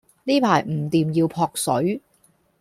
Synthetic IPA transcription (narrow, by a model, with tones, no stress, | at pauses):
niː˥pʰaː˨˩jm̩˨˩t̪iː˨mjiː˧wpʰɔː˧k̚sɵ˨˥ɥ